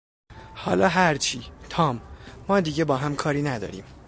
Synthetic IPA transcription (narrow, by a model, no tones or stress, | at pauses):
hɒːlɒːɦæɾt͡ʃʰiːt̪ʰɒːmːɒːd̪iːɟebɒːɦæmkʰɒːɾiːnæd̪ɒ̰ːɾḭːm